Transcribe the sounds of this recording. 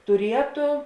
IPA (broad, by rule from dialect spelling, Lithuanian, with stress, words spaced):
tʊˈrʲiɛtoː